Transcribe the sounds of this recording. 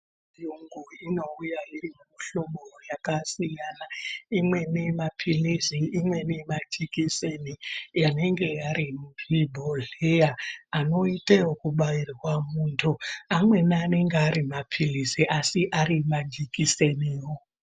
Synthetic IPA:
juŋɡuino̞ujairimumuɬo̞mojakasijanaimwe̞nemapʰilisiimwe̞nemad͡ʒikisenijane̞ŋɡe̞jaɾimubʱibʱoɮejaano̞itewokuɓairwamuːntʰuamwe̞nane̞ŋɡeaɾimapʰilisiʔasiʔaɾimad͡ʒikiseniːwo

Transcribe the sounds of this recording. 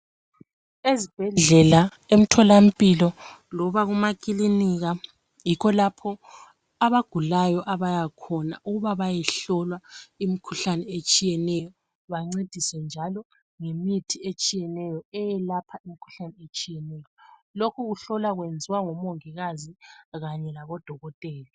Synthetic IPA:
ezib̥ʱɛɮɮɛla | em̩tʰɔlam̩pʼilɔ | lɔβaɣumakʼiliniɣa | jikʰɔlapʰɔ | aβaɡ̥ʱulajɔʔaβajakʰɔnaʔuɣuβaβajɛɬɔlwaimikʰuɬanɛet͡ʃʼijɛnɛjɔ | βaŋ͡ǀed̥ʱisɛnd͡ʒʱalɔ | ŋemitʰiet͡ʃʼijɛnɛjɔɛjɛlapʰaimikʰu̥ɬanɛet͡ʃʼijɛnɛjɔlokʰuɣuɬɔlaɣwend͡zʱiwaŋɔmoŋiɣaziɣaɲɛlaɣɔd̥ʱɔɣɔtʼɛːli

